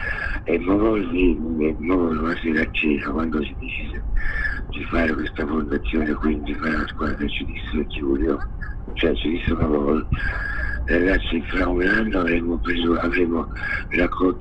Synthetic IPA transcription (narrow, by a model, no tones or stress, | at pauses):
emːɔvɔlvimːovɔlmasiɾat͡ʃːeːzakwand̪osid̪it͡ʃiːsed̪ifaːɾekwest̪afond̪at̪sːjoːnekwind̪ifaɾaaskwaaket͡ʃːid̪isːeekːivoleot͡ʃoɛt͡ʃːid̪isːekavɔl | raɣat̪sːifɾaunanːoavɾemːopɾezoavɾemo | rakʰːɔ